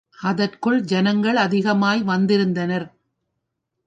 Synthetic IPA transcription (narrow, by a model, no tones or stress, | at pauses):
ʔɐðɐrkɯɭd͡ʒɐnɐŋɡɐɭɐðɪɣɐmaːjʋɐnd̪ɪɾɯnd̪ɐnɐɾ